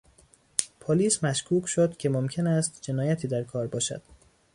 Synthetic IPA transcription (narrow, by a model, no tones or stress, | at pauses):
pʰoliːsmæʃkʰuːcʰʃod̪cʰe̞momcʰe̞næst̪d͡ʒe̞nɒːjæt̪ʰiːd̪æɾkʰɒːɾbɒːʃæ̰d̪̥